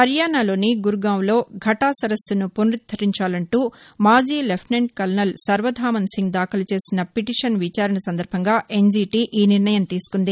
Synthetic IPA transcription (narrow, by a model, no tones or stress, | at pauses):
t̪ɐɾjaːɳaːlo̞ːniɡuɾɡaːwlo̞ːɡʱɐʈaːsɐɾɐst̪unuponɾit̪̚ʰːɐɾiɲt͡ʃaːlɐɳʈuːmaːd͡ʒiːlepʰʈneɳɖkɐlnɐlsɐɾʋɐd̪ʱaːmɐnsiŋɡ̚d̪aːkʰɐlɐt͡ʃe̞ːsinɐpiʈiːʂɐnʋit͡ʃaːɾɐɳɐsɐnd̪ɐɾbʱɐŋɡaːe̞nd͡ʒiːʈiːʔiːniɾɳɐjɐmt̪iːsu̥kund̪i